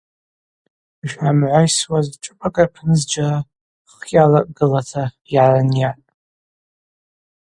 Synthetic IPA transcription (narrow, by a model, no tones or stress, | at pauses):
ʒᶣamʕʷajswazʈ͡ʂʼɨpʼakʼapʰnɨzd͡ʒara | χjalakʼɡ̥ɨlatʰa | iʕaranjatʼ